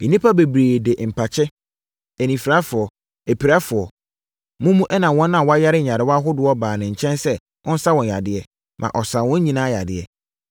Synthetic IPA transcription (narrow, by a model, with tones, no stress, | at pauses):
nĩ˦pʰa˦be˨bɾeː˨de˨ʔm̩˨pʰa˨t͡ɕʰɛ˦ | e˨nĩ˨fi˨ɾa˦fʊ˨ɔ˨ | e˨pʰi˨ɾa˦fʊ˨ɔ˨ | mũ˦mũ˦ʔɛ˦nã˨wɔ̃˦nã˨wɔ˦a˦ja˦ɾɪ˦˨ɲã˨ɾɪ˨˦wɔ˦a˦ɦʊ˦dʊ˦ɔ˦baː˨nɪ̃˨ɲ̩˨t͡ɕʰɛ̃˦nsɛ˦ | wʔɔ̃˦n̩˦sa˦wɔ̃˨n˨a˨dɪ˨ɛ˨ | mʔã̰˨ʔɔ˨sã˨wʊ̃˦ɲĩ˦nãː˦ja˨dɪ̰˨ɛ̰˨